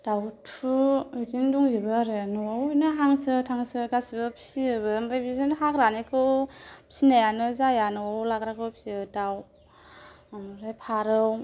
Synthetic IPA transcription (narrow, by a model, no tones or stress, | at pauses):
d̥awtʰuɯtinduŋziɾɯaɾɯnɯawɯjnaɦaŋsɯtʰaŋsɯɡasibɯpʰiɯβɯmbajbizɯnɦakɾanekʰɯwpsinajanɯzajanɯwawlakɾakʰɯwpʰiɯdaw | mɾajpʰaɾɯw